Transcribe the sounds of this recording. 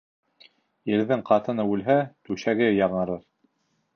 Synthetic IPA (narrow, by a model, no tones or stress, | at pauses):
jɘ̆ɾðɘŋqɑt̪ɤ̆nɤʉlɦæt̪ʉʃæɡɘjɑʁɤ̆ɾɤɾ